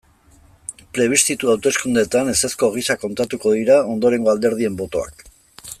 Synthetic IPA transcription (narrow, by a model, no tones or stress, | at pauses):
pɾe̞β̞ist̪it̪uawt̪e̞skund̪e̞t̪ane̞se̞sko̞ɣ̞isako̞nt̪at̪uko̞ðiɾao̞nd̪o̞ɾe̞ŋɡo̞ald̪e̞ɾð̞ie̞mbo̞t̪o̞a̰k